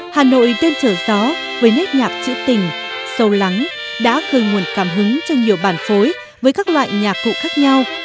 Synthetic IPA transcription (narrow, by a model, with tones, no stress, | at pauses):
haː˨˩no̰˧˨jɗ̪e˧nt͡ɕəː˧˩zɔ˨˦ | vəː˨˦jnə˦˥t̚ɲaː˨˩k̚t͡ɕḭ˧˥t̪ï˨˩ŋ̟ | sə˧wla˨˦ŋ | ɗa̰ː˧˥ɣəː˨˩jŋu˨˩ənkaː˧˩mɦɨ˨˦ŋt͡ɕɔ˧wɲi˨˩əwɓaː˧˩nfo˨˦j | vəː˨˦jkaː˦˥k̚lwa̰ː˧˨jɲaː˨˩k̚ːṵ˧˨xaː˦˥k̚ɲa˧w